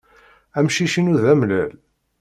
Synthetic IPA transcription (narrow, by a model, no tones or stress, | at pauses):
æmʃiʃinuðæmlæ̰l